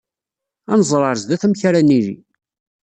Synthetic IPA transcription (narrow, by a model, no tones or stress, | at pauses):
ænzˤɾˤəɾzd̪æθæmçaɾænilḭ